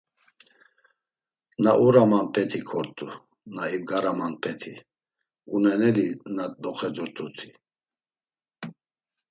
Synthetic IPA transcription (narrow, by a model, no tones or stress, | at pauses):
naʔuɾamanpʰɛt̪ʰikʰɔɾt̪ʼu | naibɡaɾamanpʰɛt̪ʰi | unɛnɛlinad̪ɔχɛdɔɾt̪ʼut̪ʰi